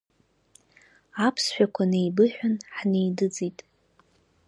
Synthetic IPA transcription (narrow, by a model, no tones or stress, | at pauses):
apʰsħʷᶣakʷʰanejbɨħʷᶣanħnejdɨd͡zitʼ